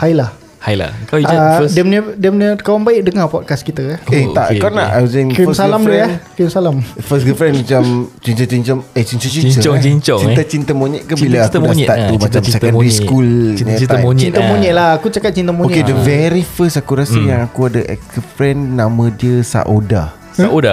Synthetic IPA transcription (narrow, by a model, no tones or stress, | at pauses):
hajlah | hajla̰adəmnədiəmnəkawaŋbaɪʔ̚dəŋapaʔkaskit̪əaet̪a̰ʔkawna̰ʔajwɔsənfəssalamduakənsalamfəsɡəfɾɛnmat͡ʃamt͡ʃint̪ət͡ʃiɲt͡ʃamet͡ʃiɲt͡ʃɔt͡ʃiɲəiɲt͡ʃɔint̪at͡ʃint̪əmoɲəʔkabilaakuaʔt̪umat͡ʃamsɛənɾiskulnat͡ʃit̪əmoɲəʔlahakut͡ʃakat̪̚t͡ʃint̪amũoɲekedəvɛɾifəsakuɾasəjaŋakuadaʔɛ̰kəfɾɛnːãmə̃diəsa̰ʔoda̰ | saʔoda